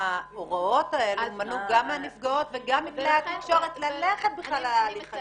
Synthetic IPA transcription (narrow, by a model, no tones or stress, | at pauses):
aoʁao̞tae̞lumanuɡamːeanifɡao̞tveɡamːikleat̪ikʃo̞ʁet̪laleχet̪̚biχlalaaːliχa